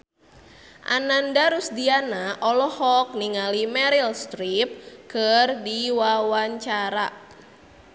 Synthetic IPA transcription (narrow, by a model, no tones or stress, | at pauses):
ʔa̰nandaɾusdianaʔɔlɔhɔk̚niŋalimɛɾilst̪ɾip̚kərdiwawaɲt͡ʃaɾa